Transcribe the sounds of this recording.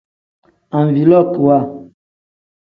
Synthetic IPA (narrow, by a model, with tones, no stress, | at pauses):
ã˨ɱ˨vi˨lɔ˦˨tu˨a˦˨